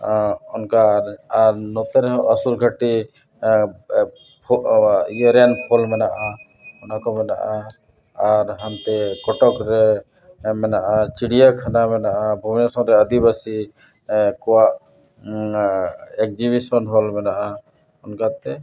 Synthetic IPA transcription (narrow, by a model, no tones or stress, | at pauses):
ɔnkaɾaɾnɔt̪ɛɾɛɦɔʔəsuɾɡʱəʈi | pʰiəɾɛnpʰɔlmɛnaʔa | ɔnakɔmɛna̰ʔaː | ɾɦant̪ɛkɔʈɔkɾɛ | mɛnaʔat͡ʃiɽijakʰanamɛnaʔabʱuminasɔ̃ɾɛəd̪ibasi | kɔwaʔ | ɛk̚d͡ʒiβisɔnɦɔlmɛnaʔa | ɔnkat̪ɛ